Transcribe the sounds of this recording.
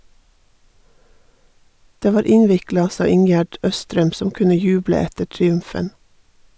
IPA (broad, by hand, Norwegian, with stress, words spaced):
ˈdeː ˈʋɑːɾ ˈɪnʋɪklɑ ˈsɑː ˈɪŋjæɖ ˈœstɾɛm ˈsɔm ˈkʉnə ˈjʉːblə ˈɛtə ʈɾɪˈʉmfən